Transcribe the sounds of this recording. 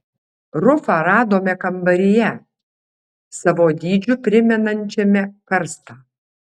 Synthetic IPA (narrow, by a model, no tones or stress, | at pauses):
ɾʊfɑːɾɑːd̪oːmʲɛkɐmbɐɾʲɪjɛ | sɑʋoːd̪ʲiːd͡ʒʲʊpʲɾʲɪmʲɛnɐnʲt͡ʃʲɛmʲɛkɐɾst̪ɑː